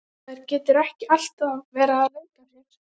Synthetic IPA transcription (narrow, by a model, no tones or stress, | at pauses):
aɾcɛːt̪ʏɾɛhcɪal̥t̪avɛːɾaaðleɥkarɛɾ̥